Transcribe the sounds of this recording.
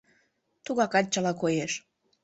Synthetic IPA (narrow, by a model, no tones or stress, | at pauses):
t̪uɣɑkɑt̪̚t͡ɕəlɑkojeʃ